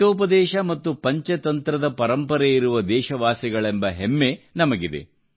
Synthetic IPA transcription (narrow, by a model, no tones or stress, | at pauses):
oːp̬ɐd̪ɛːʃɐmɐt̪ːupɐɲt͡ʃɐt̪ɐnt̪ɾɐd̪ɐpɐɾɐmpɐɾeiɾuʋɐd̪ɛːʃɐʋaːsiɡɐɭembɐɦemːe̞nɐmɐɡid̪e̞̰